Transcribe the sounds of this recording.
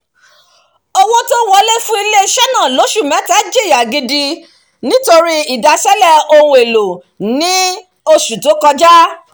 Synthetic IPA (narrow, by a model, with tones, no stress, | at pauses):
ɔ˦wɔ˦to˦wɔ˦˧le˦fũ˦i˧le˦i˧ʃɛ˦nã˦˨lo˨˦ʃu˦˨mɛ̃˨˦ta˨˦d͡ʒe˦˨ja˨ɡĩ˧di˧ | nĩ˨˦to˧ɾi˦i˨da˧ʃɛ˦lɛ˦˨o˧wũ˧e˨lo˨ | nĩ˦ | o˧ʃu˨to˨˦kɔ˧d͡ʒa˦